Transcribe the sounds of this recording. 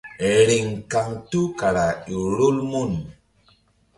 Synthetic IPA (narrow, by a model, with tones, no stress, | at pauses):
ɾi˨ŋka˨ŋtu˦ka˨ɾa˨i˨ɾu˦lmu˦˨n